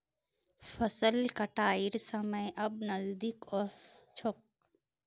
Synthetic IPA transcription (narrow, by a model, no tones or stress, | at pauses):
fɐsəlkɐʈaːɪɾsɐməjʔɐbnɐzd̪ikɔst͡ʃʰok̚